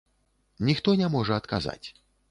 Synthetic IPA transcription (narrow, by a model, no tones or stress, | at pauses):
nʲixt̪ɔnʲamɔʐɐɐt̪kaza̰t͡sʲ